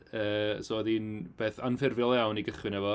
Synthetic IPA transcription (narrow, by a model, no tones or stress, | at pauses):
əːsoːðinb̥eːθanfɪrvjɔlˠjawniɡəχwɪnɛvɔ